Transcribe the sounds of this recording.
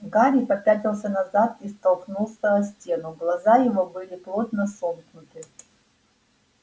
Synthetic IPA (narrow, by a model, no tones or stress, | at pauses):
ɡaɾʲipɐpʲatʲɪlˠsʲənɐzat̪̚ist̪ɐlˠknulˠsʲəsʲtʲenʊɡlˠɐzajɪvobɨlʲɪplˠot̪nəsomknʊt̪ɨ